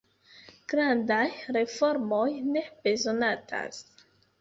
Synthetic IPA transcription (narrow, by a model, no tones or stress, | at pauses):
ɡ̥ɾandajɾe̞fo̞ɾmo̞jne̞b̥e̞zo̞natʰa̰s